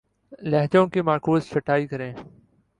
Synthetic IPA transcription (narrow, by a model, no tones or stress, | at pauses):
lɛɦd͡ʒõːkimaːkuːzfəʈaːiːkəɾẽː